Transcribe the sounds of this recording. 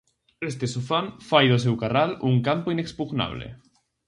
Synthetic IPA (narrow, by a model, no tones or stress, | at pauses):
est̪esufamfajðosewkaraluŋkampoinekspuɣna̰β̞lḛ